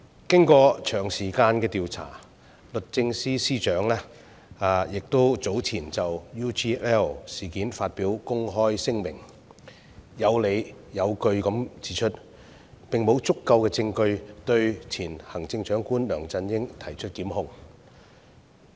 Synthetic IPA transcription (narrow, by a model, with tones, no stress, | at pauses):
kɪ˥ŋkɔː˧t͡ʃʰœː˨˩ŋsiː˨˩kaː˧nkɛː˧t̪iː˨wt͡sʰa̰ː˨˩ | lɵ˨t̚t͡sɪ˧ŋsiː˥siː˥t͡ʃœː˨˥ŋlɛː˥ | aː˧jɪ˨k̚t̪o˥wt͡so˨˥wt͡sʰiː˨˩nt͡sɐ˨wjuː˥t͡ʃiː˥ʔɛː˥˨siː˨˩kiː˨˥nfaː˧t̚piː˨˥wkʊ˥ŋɦɔː˥jsɪ˥ŋmɪ˨˩ŋ | jɐ˨˧wle˨˧jjɐ˨˧wkɵ˧ɥkɐ˨˥mt͡si̥ː˨˥t͡ʃʰɵ˥t̚ | pɪ˨ŋmo˨˧wt͡sʊ˥kːɐ˧wkɛː˧t͡sɪ˧ŋkɵ˧ɥt̪ɵ˧ɥt͡sʰiː˨˩nhɐ˨˩ŋt͡sɪ˧ŋt͡ʃœː˨˥ŋkuː˥nlœː˨˩ŋt͡sɐ˧njɪ˥ŋt̪ʰɐ˨˩jt͡ʃʰɵ˥t̚kiː˨˥mhʊ˧ŋ